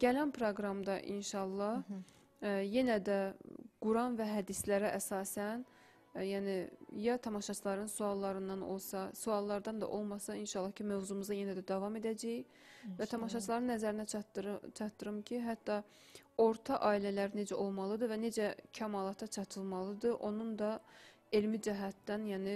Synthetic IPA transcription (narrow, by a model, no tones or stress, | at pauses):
ɟ̥ælænpʰɾoɡɾɑmd̪ɑʔḭnʃɑlˠːɑh | je̞næd̪æɡ̥uɾɑnvæɦæd̪islæɾæʔæsɑːsæn | jæːnijɑt̪ʰɑmɑʃɑt͡ʃʰɯlˠɑɾɯnsuɑlˠːɑɾɯnd̪ɑno̞̰lˠsɑsuɑlˠːɑɾd̪ɑnd̪ɑ̰ʔo̞lˠmɑsɑinʃɑlˠːɑhcʰimøvzumuzɑjenæd̪æd̪ɑvɑme̞d̪æd͡ʒæj | væt̪ʰɑmɑʃɑt͡ʃʰlˠɑɾɯnːæzæɾinæt͡ʃʰɑt̪ːɯɾɯmcʰiɦæt̪ːɑ | o̞ɾt̪ʰɑʔɑːilælæɾne̞d͡ʒæʔo̞lˠmɑlˠɯd̪ɯvæne̞d͡ʒæcʰæmɑːlˠɑt̪ʰɑt͡ʃʰɑt̪ʰɯlˠmɑlˠɯd̪ɯʔo̞nund̪ɑ | elmid͡ʒæɦæt̪ːænjæːni